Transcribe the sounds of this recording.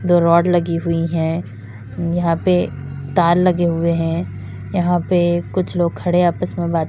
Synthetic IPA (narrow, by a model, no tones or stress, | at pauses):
d̪oːɾɔːɖlɐɡiɦʊiɦɛ̃ː | jɐɦãpe | t̪aːlːɐɡeɦʊeɦɛ̃ | jɐɦãpekʊt͡ʃʰloːɡ̚kʰɐɽeaːpəsmẽbaːt̪